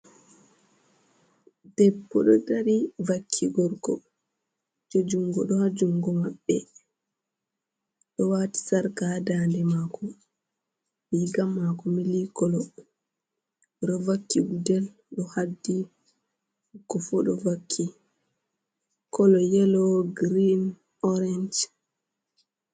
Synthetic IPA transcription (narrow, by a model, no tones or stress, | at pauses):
d̥ɛpːɔ̰ɗɔ̰daɾivakʰːiɡɔɾɡɔ | d͡ʒɔd͡ʒuŋɡɔ̰ɗɔhad͡ʒuŋɡɔmaɓːɛ | ɗɔwati̥saɾkadandɛmaːkɔ | biɡamːakɔmilikɔlɔ | ɗɔvakːiwudɛl | ɗɔhadːi | kːɔfuɗɔvakʰːi | kɔlɔjɛlɔɡɾin | ɔɾɛnd͡ʒ